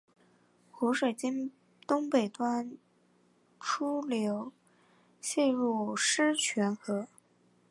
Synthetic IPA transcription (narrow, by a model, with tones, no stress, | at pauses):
xu˧˥ʂwe˨˩ɪt͡ɕi˥n | t̪ʊ˥ŋpe˨˩ɪt̪wa˥n | ʈ͡ʂʰu˥ljo˧˥ʊ | ɕjɛ˥˧ɻu˥˩ʂɻ̩˥t͡ɕʰɥɛ˧˥nxɤ˧˥